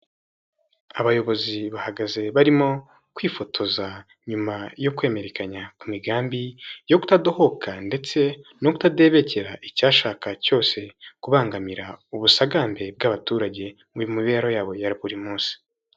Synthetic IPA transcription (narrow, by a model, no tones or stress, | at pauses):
aβajo̞βo̞ziβahaɡaze̞βaɾimo̞ | kwiːfo̞tʰo̞za | ɲumajo̞kwe̞ːme̞ɾe̞kaɲakumiɡaːmbijo̞kutado̞ho̞kʰande̞t͡se̞no̞ku̥tade̞ːβe̞ce̞ɾaʔicaːʃaːkaco̞ːse̞kuβaːŋɡamiɾauβusaɡaːmbe̞b̚ɡaβatuːɾaɟe̞ | mujumiβe̞ːɾo̞jaːβo̞jaɾiβuɾimuːnsi̥